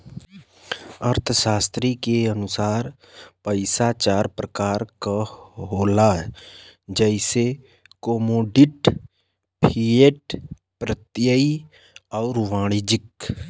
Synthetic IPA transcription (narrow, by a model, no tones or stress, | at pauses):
əɾt̪ʰəsaːst̪ɾikeənʊsaːɾ | pəɪsat͡ʃaːɾpɾəkaːɾkaɦoːlaɦɛd͡ʒɛɪse | koːmoːɖɪʈ | pʰieːʈ | pɾət̪jəi | ɔːɾʋãːɽ̃id͡ʒɪk